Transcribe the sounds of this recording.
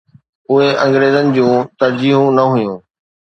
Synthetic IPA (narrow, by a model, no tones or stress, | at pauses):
ʊɦeʔɐ̃ŋɡɾeːzənɪ̆d͡ʑũːt̪ɐɾd͡ʑiːɦũnɐɦʊjũː